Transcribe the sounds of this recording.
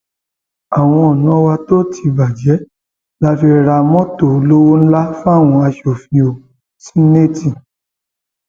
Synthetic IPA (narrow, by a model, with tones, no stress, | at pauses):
a˨w̃ɔ̃˧ɔ˨nɔ̃˨˦wa˧to˦tʰi˨˧ba˨d͡ʒɛ˨˦ | la˦fi˧ɾa˧mɔ̃˦to˦˨˦lo˦wo˦n̩˦la˦fũ˦a˦˨w̃ɔ̃˧a˧ʃo˨fĩ˨o˨ | si˦ne˦˨ti˨